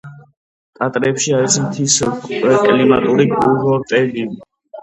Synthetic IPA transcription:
t̪ʼat̪ʼɾɛpʃiaɾismt̪ʰiskʼɛkʼlimat̪ʼuɾiɡuɾɔt̪ʼɛlivi

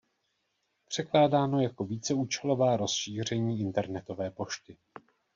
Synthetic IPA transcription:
pr̝̥ɛklaːdaːno̞jako̞viːt͡sɛuːt͡ʃɛlo̞vaːɾo̞sʃiːr̝ɛɲiːɪnt̪ɛɾnɛt̪o̞vɛːpo̞ʃt̪ɪ

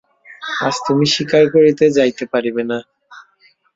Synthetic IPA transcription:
a̰d͡ʑt̪umiʃikaɾkoɾit̪ed͡ʑajt̪epaɾibena

